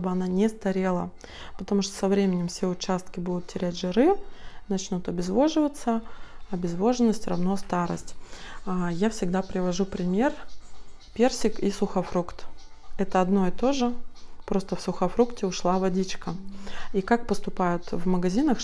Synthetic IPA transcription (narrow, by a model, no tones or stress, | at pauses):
obɨɐnanʲɪst̪ɐɾʲelˠə̰ | pət̪ɐmuʂt̪o̥sɐvɾʲemʲɪnʲɪmfsʲeʊt͡ɕast̪kʲɪbud̪ʊt̪tʲːɪɾʲætʲʐɨɾɨnɐt͡ɕnut̪ɐbʲɪzvo̞ʐɨvət̪səɐbʲɪzvo̞ʐɨnːəsʲtʲrɐ̰vno̞st̪aɾə̰sʲtʲajafsʲɪɡ̚d̪apɾʲɪvɐʐupɾʲɪmʲe̞r | pʲe̞rsʲɪkisʊxɐfɾukt̪ɛt̪əɐd̪no̞ɪt̪o̞ʐɨpɾo̞st̪əfsʊxɐfɾuktʲɪʊʂlˠavɐdʲit͡ɕkəikak̚pəst̪ʊpajʊt̪vməɡɐzʲinəx